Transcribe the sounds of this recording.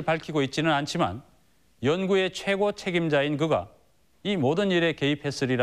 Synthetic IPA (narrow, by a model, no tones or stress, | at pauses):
ɭpaɭkʰiɡoit̚t͡ɕ͈inɯnant͡ɕʰima̰n | jʌnɡue̞t͡ɕʰwe̞ɡot͡ɕʰe̞ɡimd͡ʑaink̬ɯɡa̰ | imodɯniɾe̞ke̞ipʰe̞s͈ɯɾiɾa